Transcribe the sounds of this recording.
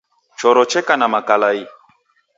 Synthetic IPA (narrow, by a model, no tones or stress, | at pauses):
t͡ʃɔɾɔt͡ʃɛkanãmakalai